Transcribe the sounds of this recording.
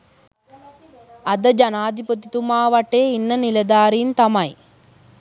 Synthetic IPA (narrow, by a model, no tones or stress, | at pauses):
ɐd̪ɐd͡ʒɐnaːd̪ʱipɐt̪it̪umaːʋɐʈːeːinːɐnilɐd̪aːɾiːnt̪ɐmɐj